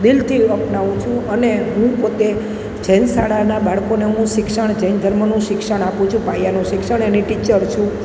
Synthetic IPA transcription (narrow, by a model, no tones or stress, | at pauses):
d̪ɪlt̪ʰiəpnaʋũt͡ʃʰũəneɦũpot̪e | d͡ʒənsaɽanabʱaɭkoneɦũʃɪksəɳ̃d͡ʒənd͡ʒʱəɾmənũʃɪkʃəɽ̃apũt͡ʃʰũpajanũʃɪkʃəɳ̃eniʈit͡ʃəɾt͡ʃʰũ